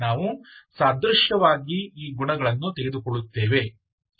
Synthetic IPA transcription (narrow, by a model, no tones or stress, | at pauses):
naːʋusaːd̪ɾuʃjɐʋaːɡiiːɡuɳɐɡɐɭɐnːut̪e̞ɡe̞d̪ukɔɭut̪ːe̞ːʋe̞